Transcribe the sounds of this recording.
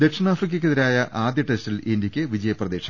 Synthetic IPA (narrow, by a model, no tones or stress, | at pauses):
d̪e̞kʂɐnaːfrik̬ʲːɐkʲːɨðiɾaːjɐʔaːd̪jɐʈestilindjikʲːɨʋid͡ʑɐjɐprɐd̪e̞ːʂɐ̥